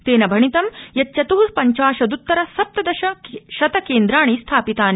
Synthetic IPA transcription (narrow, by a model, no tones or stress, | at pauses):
t̪eːnɐbʱɐɳit̪ɐmjɐt̪ːt͡ʃɐt̪uːɾpɐɲt͡ʃaːʃɐd̪ut̪ːɐɾɐsɐp̚t̪ɐd̪ɐʃɐʃɐt̪ɐkeːnd̪ɾaːɳ̃ist̪ʰaːpit̪aːn